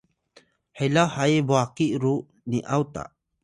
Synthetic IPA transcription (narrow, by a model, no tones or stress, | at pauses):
hɛlahajbɔakiʔɾuʔ | niʔawt̪a̰ʔ